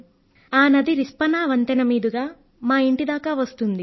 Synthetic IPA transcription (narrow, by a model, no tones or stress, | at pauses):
aːnɐd̪iɾispɐnaːʋɐnt̪ɐnɐmiːd̪uɡaː | maːiɳʈid̪aːkaːʋɐst̪und̪i